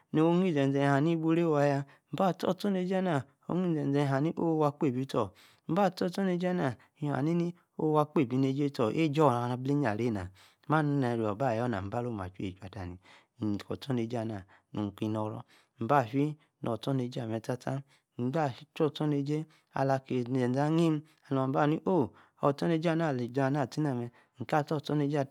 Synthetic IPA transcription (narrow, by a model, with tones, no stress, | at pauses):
no˨o˧˦ŋi˦˨d͡zɛ˨n˨d͡zɛ˧n˨ha˨ni˦bu˧˦ɾe˦wa˧ja˧ | m̩˦ba˦˨tɔ˦˨tɔ˦ne˧˦d͡ʒna˨ | o̰˧˦ŋ˦i˦˨ɛ˨n˨d͡zɛ˧˨ɦa˨ni˦ʔo˦˧wa˧k͡pe˦˨bi˨˧˦tɔ˨ | m̩˦ba˦˨tɔ˦˨tɔ˦ne˧˦d͡ʒna˨ | i˧˨ha̰˨ni˦i˦ | o˦˧wa˧k͡pe˦˨bi˧ne˧˦d͡ʒe˦tɔ˨ʔe˦˨d͡ʒɔ˦˨ɾa˨˧na˧ble˦ɲ˦a˨ɾe˦˨na˨˦ | ma˦nu˦na˧˨ɾi˨ɔ˨ba˦˨jɔ˦na̰˨m̩˨ba˦lo˦˨m˨a̰˨t͡ʃu˦ḛ˨t͡ʃu˨a˨da˨ni˨ | kɔ̰˨tɔ˦ne˧d͡ʒa˧˨na˨ | nu˨ki˧nɔ˧ɾɔ̰˧ | m̩˨ba˦˨fi˦ | nɔ˨tɔ˦ne˧d͡ʒa˦˨mɛ˨˧ta˦ta˦ | m̩˨˦ba˦˨i˦t͡ʃɔ˦˨tɔ˦ne˧d͡ʒe˦ | a̰˧˨la˧ke˧˨ɛ˨a˦ŋi˦m˦ | a˨˧lɔ˧˨˦ba˦˨ni˦ʔo˦˨ | ɔ˧˨tɔ˦ne˧˦d͡ʒa˦˧˨na˦˨le˨d͡ʒa˨˧na˦˨ti˦na˨mɛ˧ | ŋ̩˨ka˦˨tɔ˦˨tɔ˦ne˧˦d͡ʒa˦˨